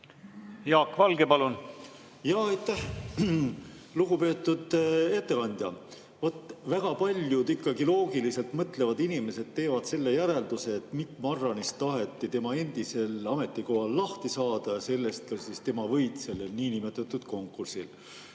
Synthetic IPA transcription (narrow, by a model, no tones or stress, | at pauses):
jɑːkːvɑlɡ̥epɑlun | jɑɑjt̪ːˑæh | luɡupe̞ːt̪ːˑud̪̥e̞t̪ːe̞kɑnʲd̪̥ʲjɑ | vot̪ːˑvæɡ̥ɑpɑlʲjud̪ikːɑɡilo̞ːɡilise̞lt̪mɤt̪le̞vɑd̪inime̞se̞d̪̥̚t̪ːe̞ːvɑd̪̥se̞lːe̞jæɾe̞ld̪use̞ːt̪mikːmɑrːɑnist̪ɑɦe̞t̪ːˑit̪e̞mɑe̞nd̪̥ise̞lɑme̞t̪ːˑiko̞hɑlːɑht̪isɑːd̪̥ɑjɑse̞lːe̞st̪̚kɑsist̪e̞mɑvɤ̞jt̪se̞lelniːnime̞t̪ːˑɑt̪ːˑud̪̥ko̞ŋkːursil